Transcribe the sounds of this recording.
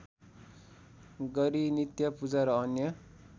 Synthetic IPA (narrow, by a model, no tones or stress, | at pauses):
ɡʌɾinit̪jʌpud͡zaɾʌːnjʌ